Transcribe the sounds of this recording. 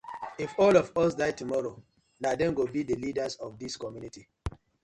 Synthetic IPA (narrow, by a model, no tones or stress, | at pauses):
ifɔlɔvɔsdaɪtumɔɹo | nadɛ̃nɡobidəlidazɔvdiskɔmjuniti